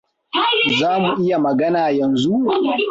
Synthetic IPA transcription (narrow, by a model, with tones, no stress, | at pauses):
zaː˦mu˨ʔɪ˦ja˨mɐ˨ɡɐ˦naː˨jɐ˨nzu˦ʔ